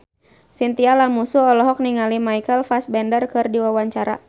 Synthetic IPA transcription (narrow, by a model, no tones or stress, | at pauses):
sint̪ialamusuɔlɔɦɔk̚niŋalimaikəlfasbɛndərkɨrdiwawaɲt͡ʃaɾa̰